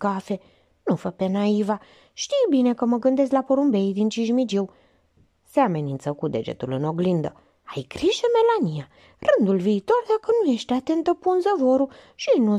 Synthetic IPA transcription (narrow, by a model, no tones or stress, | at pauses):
kafe̞ | nufəpe̞naiva | ʃt̪ijbine̞kəməɡɨnd̪e̞st̪lapoɾumbe̞jd̪int͡ʃiʒmid͡ʒiw | seame̞nint̪səkud̪e̞̰d͡ʒḛt̪ulɨno̞ɡlind̪ə̰ | ajkɾiʃeme̞lanija | rɨnd̪ulviːt̪o̞rd̪akənuje̞ʃt̪eat̪e̞nt̪əpunzəvo̞ɾu | ʃinu